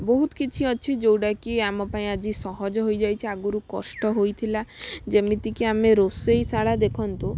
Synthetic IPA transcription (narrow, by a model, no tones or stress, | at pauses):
boɦut̪ɔ̥kit͡ʃʰiɔt͡ʃʰid͡ʒowɽakiamɔpaĩad͡ʒisɔɦɔd͡ʒɔɦojd͡ʒajt͡ʃʰiaɡuɾukɔ̰sʈɔɦojt̪ʰilad͡ʒemit̪ikiameɾosejsaɭad̪ekʰɔnt̪u